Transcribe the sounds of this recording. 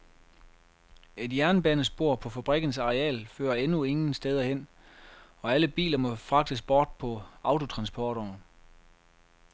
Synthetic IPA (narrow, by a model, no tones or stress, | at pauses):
e̝d̥jæɐnb̥ænəsb̥o̝ɐ̰pʰɒ̽fæb̥ʁɛɡ̥n̩sɑ̈ʁeɛ̰ːlfø̰ːɐenue̝ŋn̩sd̥eð̞ˠɐhen̰ | ɒ̽æləb̥ḭːlɐmɒ̽fʁɑ̈ɡ̥d̥əsb̥ɒːd̥̚pʰɒ̽ɑ̈ʊt͡sʰo̝t͡sʰʁɑ̈nsb̥ʰɒːɾ̥ɒː